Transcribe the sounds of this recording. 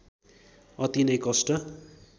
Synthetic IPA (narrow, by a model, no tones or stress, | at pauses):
ʌt̪inʌjkʌsʈʌ